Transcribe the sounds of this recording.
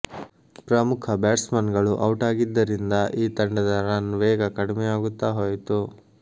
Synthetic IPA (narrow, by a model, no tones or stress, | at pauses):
pɾɐmukʰɐbɛːʈsmɐnɡɐɭuʔɐwʈaːɡid̪ːɐɾind̪ɐʔiːt̪ɐɳɖɐd̪ɐɾanʋɛːɡɐkɐɽimɛjaːɡut̪ːaːɦoːjt̪u